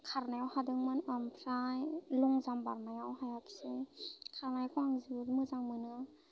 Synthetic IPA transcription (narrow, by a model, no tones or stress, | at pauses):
kʰaɾnajawhadɯŋmɯnɯmpʰɾajluŋzambaɾmajawɦajakʰi̥sekʰaɾnajkʰuaŋzumɯzaŋmɯnɯ